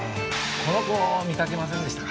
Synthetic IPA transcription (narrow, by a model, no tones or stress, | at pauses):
kʰo̞nokomʲikake̞mas̬ẽnd̪eɕt̪a